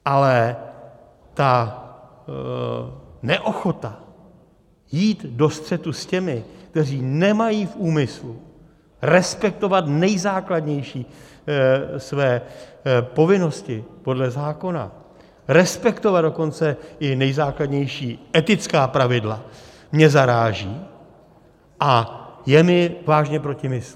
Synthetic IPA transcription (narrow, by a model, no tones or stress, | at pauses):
ʔalɛ | t̪a | nɛʔo̞xo̞t̪a | jiːt̪do̞st̪r̝̥ɛt̪uscɛmɪk̚t̪ɛriːnɛmajiːfʔuːmɪslu | ɾɛspɛk̚t̪o̞vat̪nɛjzaːkladɲɛjʃiː | svɛː | po̞vɪno̞scɪpo̞dlɛzaːko̞na̰ | ɾɛspɛkt̪o̞vad̪do̞ko̞nt͡sɛɪnɛjzaːkladɲɛjʃiːʔɛt̪ɪt͡skaːpɾavɪdla̰ | mɲɛzaɾaːʒiː | ʔajɛmɪvaːʒɲɛpɾo̞cɪmɪs